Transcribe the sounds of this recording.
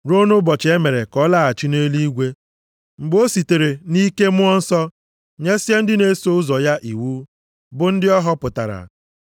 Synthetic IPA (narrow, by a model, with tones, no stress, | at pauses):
ɾo˦nʊ˦bɔ˨t͡ʃe˦me˨ɾe˨kɔ˦la˦a˨t͡ʃi˦ne˦li˦ɡʷe˦ | ŋ͡m̩˨ɡ͡bo˦si˨te˨ɾe˨ni˦ke˦mʊ˦ɔ˦n̩˦sɔ˦ | ɲe˦se˦n̩˦dɪ˦ne˦so˦ʊ˦zɔ˨ja˦ʔi˨wuː˦ | bʊ˨n̩˦dɪ˦ɔ˦ɦɔ˦pʊ˨ta̰˨ɾa̰˨